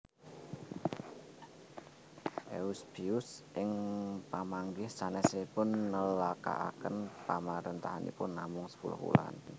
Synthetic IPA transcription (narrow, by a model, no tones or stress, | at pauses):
ʔeusb̥iʊsʔɪŋpamaŋɡɪhsanɛseipʊnːəlaka̰ʔakənpamaɾənt̪aɦanḭpʊnːamʊŋsə̥pulʊ̰hṵla̰n